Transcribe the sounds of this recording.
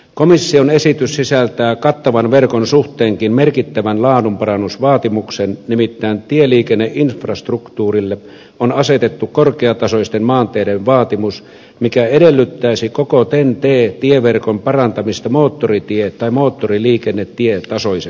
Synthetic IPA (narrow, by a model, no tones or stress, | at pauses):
komisːionesit̪yssisælt̪æːkɑt̪ːɑʋɑnʋerkonsuht̪ˑeːŋkinmerkit̪ːæʋænlɑːnumpɑrɑnːusʋɑːt̪imuksennimit̪ːæːnt̪ieliːkenːeʔinfrɑst̪rukt̪uːrilːe | onɑset̪et̪ːukkorkeɑt̪ɑsoist̪enmɑːnt̪eːdeʋʋɑːt̪imus | mikæedelːyt̪ːæisikokot̪ent̪eːt̪ieʋerkompɑrɑnt̪ɑmist̪ɑmoːt̪ːorit̪iet̪t̪ːɑimoːt̪ːoriliːkenːet̪tiet̪ɑsojse